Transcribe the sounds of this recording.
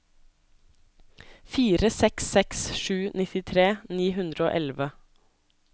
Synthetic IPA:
fiːɾəsɛksɛksʃʉːnɪt̪ɪt̪ʰɾeːniːhʉnd̪ɾəo̰ːʔɛlʋə

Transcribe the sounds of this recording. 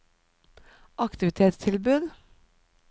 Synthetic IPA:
ʔɑkt̪ɪʋɪt̪ʰeːt̪st̪ʰɪlbʉːd̪

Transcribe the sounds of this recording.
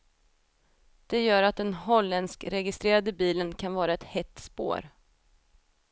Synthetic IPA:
d̪̥ɛjœːɾat̪̚d̪ɛnɦɔlːɛnskɾɛɡɪst̪ɾeːɾad̪əbiːlənkʰanvɑːɾaɛt̪hɛt̪ːspo̰ːɾ

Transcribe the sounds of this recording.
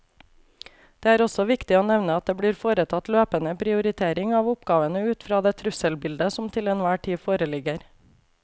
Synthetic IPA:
d̪̥eːæːɾɔsɔʋɪkt̪ɪoːnɛʋnəɑt̪̚d̪eːbɽiːɾfoːɾət̪ʰɑt̪løːpənəpʰɾɪʊɾɪt̪ʰeːɾɪŋɑːʋʊpɡɑːʋənəʉːt̪fɾɑːd̪eːt̪ʰɾʉsəlbɪld̪əsɔmt̪ʰɪlɛnʋæːʈʰiːfoːɾəlɪɡəɾ

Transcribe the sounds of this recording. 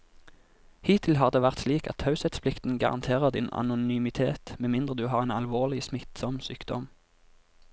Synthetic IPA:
hiːt̪ʰɪlɦɑːʁd̪eːʋæʁt̪sliːkɑ̰t̪hɑʉsɛt̪spʰlɪkt̪n̩ɡɑ̰ʁɑ̰nt̪ʰeːʁəʁd̪ɪ̰nɑ̰nʊnyːmɪt̪ʰeːt̪meːmɪnd̪ʁəd̪ʉːɦɑːʁeːnɑlʋoːʁlɪsmɪt̪sɔmsyːkd̪ɔ̰m

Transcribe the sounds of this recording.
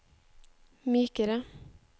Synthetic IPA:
myːkəɾə

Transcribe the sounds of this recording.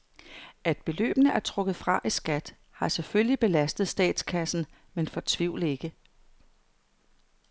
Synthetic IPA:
æd̥̚b̥e̝lø̰ːb̥ənəʔæɐt͡sʰʁɔ̽ɡ̥ð̩ˠfʁɑ̈ʔisɡ̥æd̥ | hɑ̈seføllib̥e̝læsd̥ð̞̩ˠsd̥ɛ̰ːd̥skʰæsn̩ | menfɒ̽t͡sʰʋiʊ̰le̝ɡ̥ə

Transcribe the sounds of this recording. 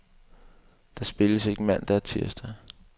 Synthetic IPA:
d̥ɑ̈sb̥e̝ləse̝ɡ̥əmæn̰d̥ɑæɐt͡sʰiɐ̰sd̥æ

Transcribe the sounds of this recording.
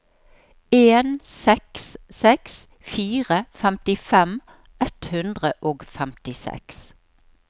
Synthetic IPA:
eːnsɛkssɛks | fiːʁəfæmt̪ɪfɛm | ʔɛt̪hʉnd̪ʁəʔoːɡfæmt̪ɪsɛ̰ks

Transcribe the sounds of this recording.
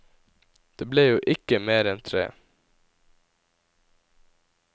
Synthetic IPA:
d̪̥eːbleːjuːʔɪkəmeːɾɛnt̪ʰɾḛː

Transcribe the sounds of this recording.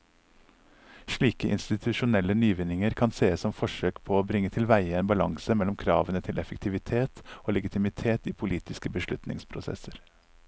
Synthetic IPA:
ʃɭiːkəʔɪ̰nst̪ɪt̪ʰʉʃʊnɛlənyːʋɪnɪŋəɾkʰɑnseːəsɔmfɔʃøːkpʰoːoːbɾɪŋət̪ʰɪlʋæɪəeːnbɑlɑŋsəmɛlɔmkʰɾɑːʋənət̪ʰɪlɛfəkt̪ʰɪʋɪt̪ʰeːt̪oːlɛɡɪt̪ʰɪmɪt̪ʰeːt̪iːpʰʊliːt̪ɪskəbəʃlʉt̪nɪ̰ŋspʰɾʊsɛ̰səɾ

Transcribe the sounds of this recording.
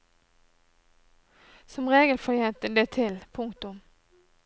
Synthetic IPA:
sɔmʁeːɡəlfɔɾjɛnt̪əd̪eːt̪ʰɪlpʰʊŋkt̪ʊm

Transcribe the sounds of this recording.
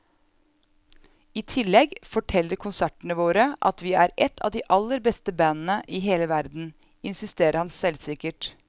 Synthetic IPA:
iːt̪ʰɪlɛɡfɔʈʰɛlːəɾkʰʊnsæʈəɳəʋoːɾəʔɑ̰t̪ʋiːæːɾɛt̪ʰɑ̰ːʋd̪iːʔɑlːəɾbɛst̪əbæːnn̩əʔiːɦeːləʋæɾd̪n̩ | ɪnsɪst̪eːɾəɾhɑnsɛlsɪkəʈ

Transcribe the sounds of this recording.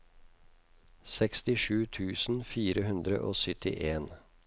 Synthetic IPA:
sɛkst̪ɪʃʉːt̪ʰʉːsn̩fiːɾəhʉnd̪ɾə̰ʔo̰ːsʏt̪ʰɪ̰ʔeːn

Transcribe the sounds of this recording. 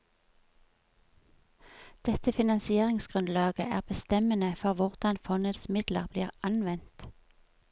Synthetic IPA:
d̪̥ɛt̪əfɪnɑnsɪeːʁɪŋsɡ̥ʁʉnlɑːɡə̰ʔæ̰ːʁbəst̪ɛmənəfɔʁʋʊʁd̪̥ɑnfɔnəd̪smɪd̪lə̰ʁbliːʁɑnʋɛnt̪

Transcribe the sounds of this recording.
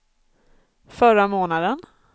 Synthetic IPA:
fœɾamoːnad̪ən

